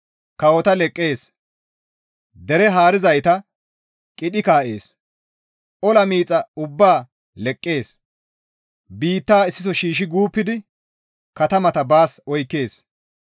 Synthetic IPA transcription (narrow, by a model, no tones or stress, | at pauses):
kɐwɔt̪ɐlɛkʼːe̞ːs | d̪ɛɾɛɦaːɾɪzɐjt̪ɐ | kʼɪɗɪkaːʔe̞̰ːs | ʔɔlɐmiːt͡sʼːɐʊbːaː | lɛkʼːe̞ːs | biːt̪ːaːɪsːɪsɔʃiːʃ̬ɪɡuːpːɪd̪ɪ | kɐt̪ɐmɐt̪ɐbaːsɔjkːe̞ːs